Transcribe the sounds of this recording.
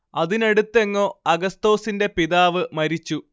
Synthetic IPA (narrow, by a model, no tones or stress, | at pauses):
ɐðine̞ɽut̪ːe̞ŋːo̞ːɐɡɐst̪o̞ːsinde̞piðaːʋɨmɐɾit͡ɕːu